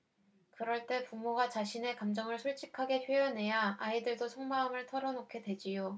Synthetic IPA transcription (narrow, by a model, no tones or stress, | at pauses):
kɯɾʌɭt͈e̞pumoɡat͡ɕaɕʰine̞kamd͡ʑʌŋɯɭsʰuɭt͡ɕ͈ʰikʰaɡe̞pʰjojʌnɦe̞jaaidɯɭdosʰʌŋmaɯmɯɭtʰʌɾʌnokʰe̞dwe̞d͡ʑijo